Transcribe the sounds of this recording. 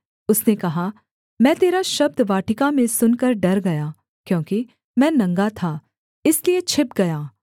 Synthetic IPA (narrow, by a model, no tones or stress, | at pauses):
ʊsnekɐɦa | mɛ̃ːt̪eːɾaʃɐb̚d̪ʋaːʈɪkamẽsʊnkɐɾɖɐɾɡɐjaː | kjõːki | mɛ̃ːnɐ̃ŋɡat̪ʰaː | ɪsliet͡ʃʰɪpɡɐjaː